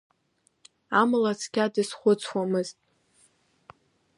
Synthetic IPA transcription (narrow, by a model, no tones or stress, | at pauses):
amɨlat͡sʰkʲadɨsχʷʊt͡sʰwamɨztʼ